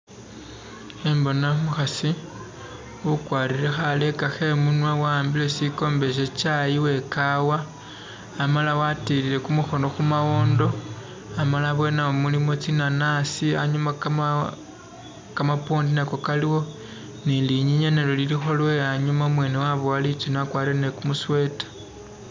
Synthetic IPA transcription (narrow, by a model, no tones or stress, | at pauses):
embo̞namuxasi | ukwaːɾile̞xale̞kaxe̞munwawaːmbilesiko̞ːmbe̞ʃ̬et͡ʃajiwe̞kawaː | malawatilile̞kumuxo̞no̞xumawoːndo̞ | amalaβwe̞naomulimo̞t͡sinanasiaɲuma | kamapoːndineko̞kaliwo̞ | niliɲiɲenelo̞lilixo̞lwe̞aɲumamwe̞ːnewaβoalit͡siniakwaːɾilenekumuswe̞tḁ